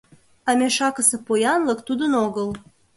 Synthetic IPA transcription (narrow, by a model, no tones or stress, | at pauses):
ɑmeʃɑkəsĕpojɑnləkt̪ud̪ənoɣəl